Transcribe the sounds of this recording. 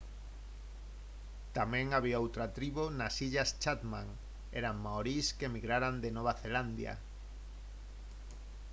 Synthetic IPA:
t̪amẽŋaβ̞iaowt̪ɾat̪ɾiβonasiʎast͡ʃat̪mãŋ | ɛɾammaoɾiskemiɣɾaɾand̪enoβ̞aθeland̪ja̰

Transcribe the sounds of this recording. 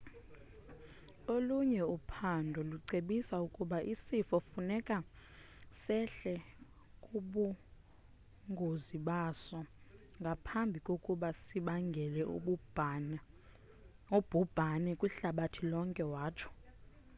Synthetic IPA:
oluɲɛupʰandʱɔluǀeɓisaukʼuɓaʔisifɔfunɛkʼa | sɛɬɛ | kʼuɓu | ŋɡʱoziɓasɔ | ŋɡʱapʰambʱikʼokʼuɓasiɓaŋɡʱɛlɛ | ub̥ʱub̥ʱanɛkʼwuɬaɓatʰilɔŋkʼɛwaːt͡ʃʰɔ̥

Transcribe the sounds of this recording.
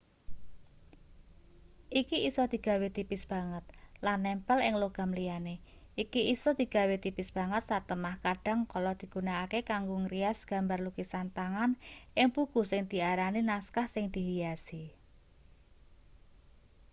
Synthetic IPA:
ʔikiisɔd̪̥i̤ɡ̥ä̤wet̪ipɪsb̥a̤ŋət̪̚lanːɛmpɛlɪŋloɡ̥a̤mlijane | ʔikiisɔd̪̥i̤ɡ̥a̤wet̪ipɪsb̥a̤ŋət̪̚sat̪əmahkaɖ̥a̤ŋkɔlɔd̪̥i̤ɡ̥ṳnaːkekaŋɡoŋɾiasɡ̥a̤mbarlukisant̪aŋanʔɪŋpukusɪŋd̪̥i̤aɾaninaskahsɪŋd̪̥i̤ɦijasi

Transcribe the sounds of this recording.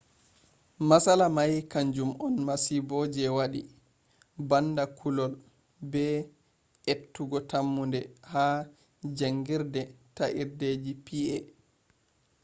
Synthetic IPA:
masalamajkaɲd͡ʒumɔnmasibɔd͡ʒɛwaɗi | bandakʰulɔl | bɛ | ʔetːuɡɔtamːundɛha | d͡ʒaŋɡiɾdɛtaʔiɾded͡ʒipiʔɛ

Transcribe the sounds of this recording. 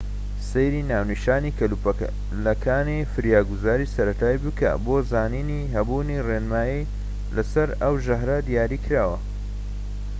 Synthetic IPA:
sejɾinaːwniʃaːnikɐl | lɐkʰaːnifɨɾjaːɡuzaːɾiːsɐɾɐt̪ʰaːjbɨkʰɐ̰boːzaːniːniɦɐbuːnirenmaːji | lɐsɐɾɐwʒɐɦɾɐd̪ijaːɾiːkʰɾaːwɐ

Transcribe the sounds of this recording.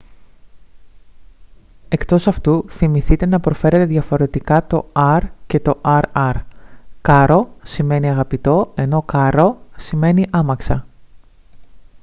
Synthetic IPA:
e̞kt̪o̞sɐft̪uθimiθit̪e̞nɐpɾo̞fe̞ɾe̞t̪e̞ðʝɐfo̞ɾe̞t̪ikɐt̪o̞ɐɾce̞t̪o̞ʔɐɾɐɾkɐɾo̞sime̞niɐɣɐpit̪o̞e̞no̞kɐɾo̞sime̞niʔɐmɐksɐ

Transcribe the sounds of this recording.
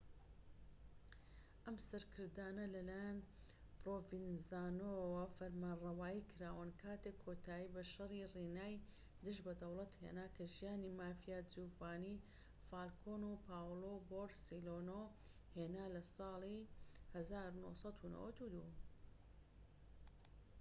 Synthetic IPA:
ʔɐmsɐɾkʰɨɾd̪aːnɐlɐlaːjan | pɾoːvinzaːnowɐfɐɾmaːnrˤɐwaːjikʰɨɾaːwənkʰaːt̪ekʰːot̪ʰaːibɐʃɐririːnaːj | d̪ɨʒbɐd̪ɐwlˠɐt̪hḛnaːkʰɐʒijaːnimaːfijaːd͡zuːvaːni | faːlkʰonupʰaːwloboɾsiloːno | heːnaːlɐsɑːlˠihɐzaːɾuno̰sˤɑt̪ʰuno̰wɐt̪ud̪u

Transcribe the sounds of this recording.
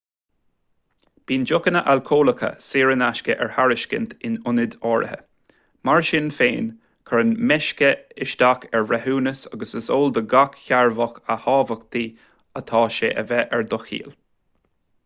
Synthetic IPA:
b̥iːnd͡ʒʊkənəʔalkʰoːləkʰə̰siːɹənaʃkəʔɛɹhaɹɪʃkə̰nt̪ʰɪnʊnɪd̪ɔːɹʔə̰hə̰ | maɹʃɪnfeːn | kʰəɹənmɛʃkəɪʃd̪akʰɛɹɹɛhuːnəsaɡəsəsoːld̪əɡakçaɹvɔxəhɑːvəkt̪ʰiː | ət̪ʰɑːʃeːʔəvɛʔɛɹd̪ʊxḭːl

